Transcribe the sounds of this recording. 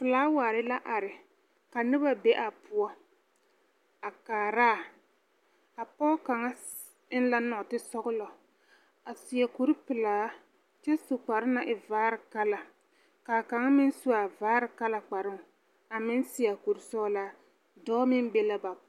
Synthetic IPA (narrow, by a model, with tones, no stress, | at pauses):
pɪ˨laː˨˦waː˨ɾɪ˦la˦ʔa˨ɾɪ˨ | ka˨nɪ˦ba˦be˦ʔa˨pʊ˦ɔ˦ | a˨kaː˨ɾaː˦˨ | a˨pɔ˦ka˨ŋa˦ | ɪ˦n˦la˦nɔ˨tɪ˦sɔ˦ɣʊ˦lɔ˨ | a˨sɪ˨a˨ku˨ɾi˦pɪ˨laː˨˦ | t͡ʃɛ˦su˨k͡pa˨ɾɪ˦na˨ʔɪ˨vaː˨˦ɾɪ˨ka˦la˨ | kaː˨ka˨ŋa˦mɪ˦nsu˦a˨vaː˨˦ɾɪ˨ka˦la˨k͡pa˨ɾɪ˦ŋ˨ | a˨mɪ˦nsɪ˨a˨ku˨ɾi˨sɔ˦la˦ | dɔː˦mɪ˦be˦la˦ba˨